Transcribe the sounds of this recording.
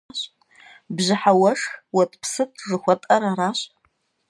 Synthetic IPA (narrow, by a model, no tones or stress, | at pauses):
ɕ | bʑɪħawɐʂxwɐtʼpʰsɨtʰʐɨxʷɐtʼɐɾaɾaːɕ